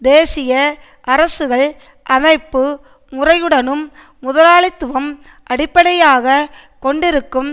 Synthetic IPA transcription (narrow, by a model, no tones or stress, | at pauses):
d̪eːsɪjɐ | ʔɐɾɐsɯɣɐɭ | ʔɐmɐɪpːɯ | mʊrɐjɯɽɐnɯmː | ʊðɐlaːɭɪt̪ːɯʋɐm | ʔɐɽɪpːɐɽɐjaːɣɐ | kɔɳɖɪɾɯkːɯm